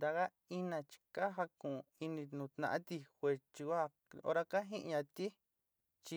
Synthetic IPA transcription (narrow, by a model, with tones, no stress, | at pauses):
d̪a˧ɣa˦ | i˦nã˧t͡ʃi̥˧ka˦ɦa˧kũ˨˧i˧nĩ˧nũ˨˧t̪nã̰˧ʔã˦t̪i˧xʷe˧˨t͡ʃi˧kʷa˦ | o̰˧ɾa˦ka˦ɦĩ˦ʔɲã˧t̪i˦ | t͡ʃi˧